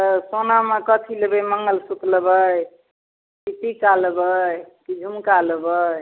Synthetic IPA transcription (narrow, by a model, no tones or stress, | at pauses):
t̪əsonamekət̪ʰilebəjməŋɡəlsut̪ləbəj | kit̪ikalbəjkid͡ʒʱumkaləbəj